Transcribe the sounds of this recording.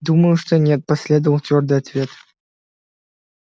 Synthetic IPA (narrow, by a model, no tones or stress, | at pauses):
d̪uməjuʂt̪onʲet̪̚pɐsʲlʲed̪əvəlˠt̪ʲvʲord̪ɨjat̪vʲet̪